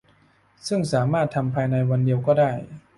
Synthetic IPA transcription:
sɯ˥˩ŋsaː˩˦maː˥˩t̪ʰːa˧mpʰaː˧jna˧jwa˧ndi˧əwkɔː˥˩daː˥˩j

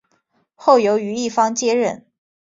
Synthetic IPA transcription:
xo˥˩ʊjo˧˥ʊy˧˥i˥˩fɑ˥ŋt͡ɕjɛ˥ɻə˥˩n

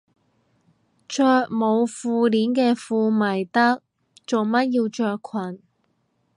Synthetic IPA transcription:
t͡ʃœː˧k̚mo˨˧wfuː˨˧liː˨˥nkɛː˧fuː˧mɐ˨˩jt̪ɐ˥k̚ | t͡so˨wmɐ˥t̚jiː˧wt͡ʃœː˧kʰɐ˨˩n

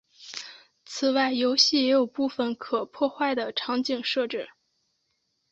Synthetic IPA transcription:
t͡sʰɹ̩˨˩wa˥˩ɪjo˧˥ʊɕi˥˩jɛ˧˥jo˨˩ʊpu˥˩fə˩nkʰɤ˨˩pʰwɔ˥˧xwa˥˩ɪd̪ə˩ʈ͡ʂʰɑ˧˥ŋt͡ɕi˥˩ŋʂɤ˥˧ʈ͡ʂɻ̩˥˩

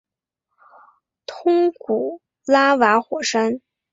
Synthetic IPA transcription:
t̪ʰʊ˥ŋku˨˩˦ | la˥wa˧˥xwɔ˨˩ʂa˥n

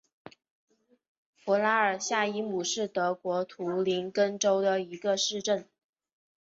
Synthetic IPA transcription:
fɔ˧˥la˥ə˞˨˩ɕja˥˩i˥mu˨˩ʂɻ̩˥˩t̪ɤ˧˥kwɔ˧˥t̪ʰu˧˥li˧˥nkə˥nʈ͡ʂo˥ʊd̪ə˨i˧˥ɡə˧ʂɻ̩˥˧ʈ͡ʂə˥˩n

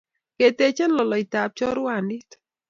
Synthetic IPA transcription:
ke˨t̪e˧t͡ʃɛ˦nlɔ˨lɔ˨i˨ta˨p̚t͡ʃɔ˦ɾu˦a˨ni˦t

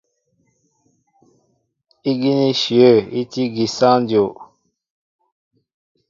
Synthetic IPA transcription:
i˦ɡi˦ni˦ʃi˨o˦˨i˦ti˦ɡi˨sã˦ndjo˨

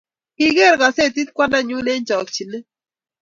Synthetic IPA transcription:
kiɡe˦ɾɣɑ˨se˦t̪i˦t̪̚kʷa˦na˦ɲu˦ne˦nt͡ʃa˨kt͡ʃi˨ne˦

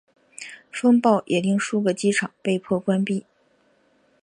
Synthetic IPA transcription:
fə˥ŋpɑ˥˩ʊʔɛ˨˩li˥˧ŋʂu˥ɡə˨˩t͡ɕi˥ʈ͡ʂʰɑ˨˩˦ŋpe˥˧ɪpʰwɔ˥˩kwa˥npi˥˩

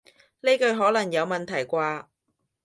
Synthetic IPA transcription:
le˥kɵ˧ɥɦɔː˨˥lɐ˨˩ŋjɐ˨˧wmɐ˨nt̪ʰɐ˨˩jkʷaː˧

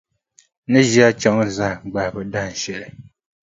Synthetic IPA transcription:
nɨ˦ʒi˦a˦t͡ʃa˦ŋ˦za˦hɡ͡ba˨hbɨ˨da˦hn̩˨ʃɛ˨lɨ˨

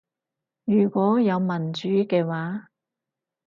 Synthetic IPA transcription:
jyː˨˩kʷɔː˨˥jɐ˨˧wmɐ˨˩nt͡ʃyː˨˥kɛː˧waː˨˥

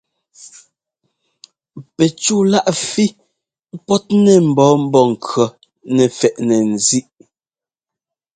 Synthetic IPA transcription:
pɛ˨t͡ʃuː˦˨la˦ʔfi˦ | pɔ˦t̚nɛ˦˨m̩˨bɔː˨˦m̩˦bɔ˦˨ŋ̩˨kʰɰɔ˨ | nɛ˨fɛ˨ʔnɛ˨n˨zi˦ʔ

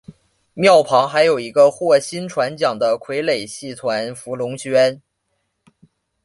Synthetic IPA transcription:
mjɑ˥˩ʊpʰɑ˧˥ŋxa˧˥ɪjo˨˩ʊi˧˥ɡə˧xwɔ˥˩ɕi˥nʈ͡ʂʰwa˧˥nt͡ɕjɑ˨˩ŋd̪ə˦kʰwe˧˥ɪle˨˩ɪɕi˥˩t̪ʰwa˧˥nfu˧˥lʊ˧˥ŋt͡ɕʰɥɛ˥n

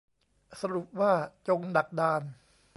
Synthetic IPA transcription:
sa˧ɾu˨˩p̚waː˥˩t͡ɕo˧ŋda˨˩k̚daː˧n

